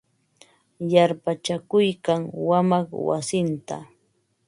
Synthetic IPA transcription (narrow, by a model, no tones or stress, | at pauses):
jaɾpat͡ʃakʊjkaŋwamaχwa̰sɪnt̪a̰